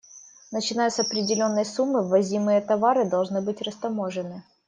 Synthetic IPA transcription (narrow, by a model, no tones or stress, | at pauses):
nət͡ɕɪnajʊsɐpɾʲɪdʲɪlʲo̞nːəjsumːɨvɐzʲimɨjət̪ɐvaɾɨd̪ɐlˠʐnɨbɨtʲrəst̪ɐmoʐɨnɨ